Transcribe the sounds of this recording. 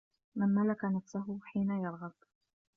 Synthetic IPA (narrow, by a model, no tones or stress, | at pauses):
manmalakanafsaɦʊħiːnajɑɾˤɣɑb̪